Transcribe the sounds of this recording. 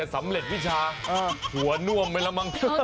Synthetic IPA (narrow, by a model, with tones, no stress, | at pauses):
sa˩˦mɾe˨˩t̪̚wi˦˥˩t͡ɕʰaː˧a˧hu˩˦ɐnu˥˩əmːa˧jla˧mːa˧ŋt̪ʰ